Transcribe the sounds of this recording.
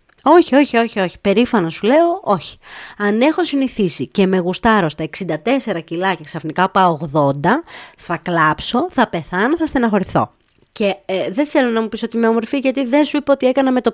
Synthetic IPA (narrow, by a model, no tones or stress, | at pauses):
o̞çio̞çio̞çio̞çi̥pe̞ɾifɐnɐsule̞o̞ʔo̞çi̥ɐne̞xo̞siniθisice̞me̞ɣust̪ɐɾo̞st̪ɐeksind̪ɐt̪e̞se̞ɾɐcilɐce̞ksɐfnikɐopɐoɣðo̞nd̪ɐθɐklɐpso̞θɐpe̞θɐnoθɐst̪enɐxo̞ɾiθo̞̰ | ce̞ðeθe̞lo̞nɐmupisoot̪imeomo̞ɾfiʝɐt̪iðensuipeo̞t̪ie̞kɐnɐme̞t̪o̞